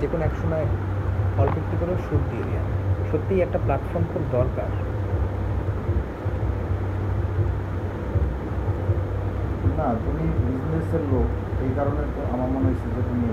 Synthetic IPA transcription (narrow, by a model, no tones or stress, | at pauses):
d͡ʑekonoɛkʃomɔe | pʰɔlbok̚t̪ikoɾeʃuɾd̪ielia̰ʃot̪ːijɛk̚ʈaplaʈfɔɾmpoɾd̪ɔɾka̰ɾ | nat̪umibid͡ʑneseɾlok | ejkaɾoneɾoamaɾmanoʃud͡ʑʱoʈonie